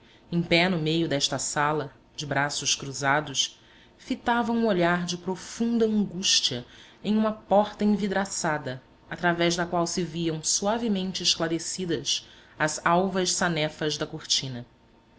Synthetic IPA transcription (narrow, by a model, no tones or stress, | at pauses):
ẽj̃pɛnʊmejʊd̪ɛʃt̪ɐsalɐ | d͡ʒɪbɾasʊʃkɾuzad̪ʊs | fit̪avɐ̃w̃ũoʎaɾd͡ʒɪpɾofũnd̪ɐɐ̃ŋɡuʃt͡ʃiɐ | ẽj̃ũmɐpɔχt̪ɐẽvid̪ɾasad̪ɐ | at̪ɾavɛʒd̪ɐkwawsɪviɐ̃w̃suavimẽnt͡ʃɪːʃklaɾesid̪ɐsɐzawvɐʃsanɛfɐʒd̪ɐkoɾt͡ʃĩnɐ